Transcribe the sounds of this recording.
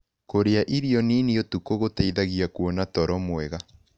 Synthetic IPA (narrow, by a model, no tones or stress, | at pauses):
koɾeaʔiɾiɔniniotukoɣotaiðaɣiakwɔnatɔɾɔmwɛɣa